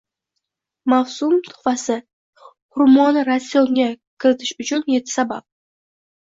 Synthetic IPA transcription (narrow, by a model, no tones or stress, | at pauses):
mawsʊmt̪ʰʊ̥fasɪ | hʊɾmɒnɾasːijɒŋɡʲakʲʰɪɾɪt̪ʰɪʃʊt͡ʃʰʊnje̞t̪ʰːɪ̥sabap̚